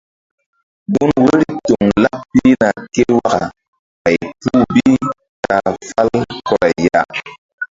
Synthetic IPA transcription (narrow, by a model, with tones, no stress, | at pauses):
bu˦nwe˦ɾi˦tu˨ŋla˦pi˦na˨ke˦wa˦ka˨ | a˨jtu˦bi˦ | ta˨fa˦lkɔ˦ɾa˨ja˦